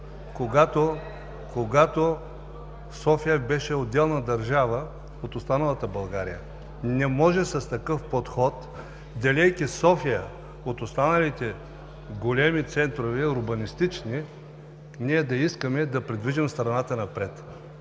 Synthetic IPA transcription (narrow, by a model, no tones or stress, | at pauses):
koɡat̪o | koɡat̪o | sɔfijəbɛʃɛod̪ːɛlˠnɐd̪ɐɾʒavə | ot̪ost̪anɐlˠɐt̪əbɐlˠɡaɾijə | nɛmɔʒɛsɐst̪ɐkɤfpot̪xɔt̪ | d̪ɐlɛjkʲisɔfijə | ot̪ost̪anɐlit̪ɛ | ɡolʲɛmit̪sɛnt̪ɾovɛɾʊbɐnist̪it͡ʃni | niɛd̪ɐiskəmɛd̪ɐpɾɛd̪viʒɛmst̪ɾɐnat̪ənɐpɾɛt̪